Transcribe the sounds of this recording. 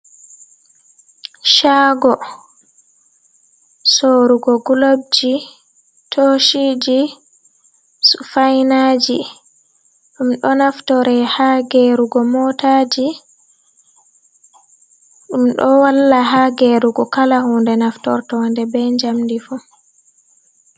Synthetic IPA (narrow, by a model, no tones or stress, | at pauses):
ʃaɡɔ | soɾuɡɔɡulob̚d͡ʒi | tʰoʃid͡ʒi | sufajnad͡ʒi | ɗumɗɔnaftɔɾɛhaɡeɾuɡɔmɔtad͡ʒi | ɗumɗɔwalːaɦaɡeɾuɡɔkalahundɛnaftɔ̰ɾtɔndɛbɛɲd͡ʒamdifu